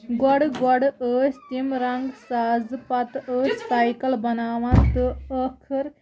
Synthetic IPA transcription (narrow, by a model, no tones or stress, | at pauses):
ɡwaɽɡwaɽəːst̪imɾaŋɡsaːzpat̪əːssajkɐlbɐnaːʋant̪ɨəkʰəɾ